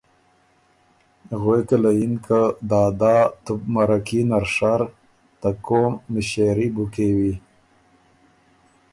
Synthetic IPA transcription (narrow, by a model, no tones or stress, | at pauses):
ɣwekalajinkad̪ɑːd̪ɑːt̪ubmaɾakinaɾʂaɾ | t̪akomːɪʃeɾibukewi